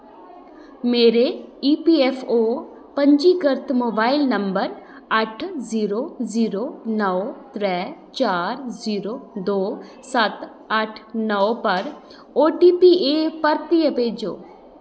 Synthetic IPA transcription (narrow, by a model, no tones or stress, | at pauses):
meːɾeiːpieːfʰoː | pɐ̃ɲd͡ʒiːɡəɾt̪ʰmoːbaːɪlnəmbəɾ | ɐʈʰziːɾoziːɾonəʋt̪ɾɛːt͡ʃaːɾziːɾod̪oː | sət̪ | ɐʈʰnəʋpɐɾ | oːʈiːpieːpɐɾt̪ijəpeːd͡ʒo̰ː